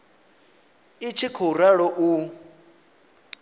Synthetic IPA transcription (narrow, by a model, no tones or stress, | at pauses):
it͡ʃʰikʰɔɾaɺɔʔu